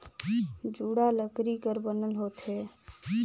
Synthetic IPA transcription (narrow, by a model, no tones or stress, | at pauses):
d͡ʒuːɽaləkɾikəɾbənəlɦoːt̪ɦe